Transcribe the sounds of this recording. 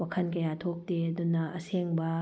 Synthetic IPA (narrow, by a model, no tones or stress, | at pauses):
wɐkʰɐnkɐjat̪ʰok̚teɐd̪unːɐʔɐseŋbɐ